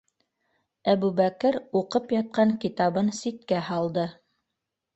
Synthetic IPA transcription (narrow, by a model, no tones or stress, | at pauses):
æbʉβækɘɾuqɤpjɑt̪̚qɑŋkit̪ɑβɤnsit̪̚kæhɑlˠd̪ɤ